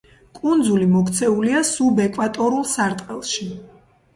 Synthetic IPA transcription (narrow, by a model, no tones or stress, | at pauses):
kʼund̪zulimɔkʰt̪sʰɛuliasubɛkʼwat̪ʼɔɾulˠsaɾt̪ʼqʼɛlˠʃi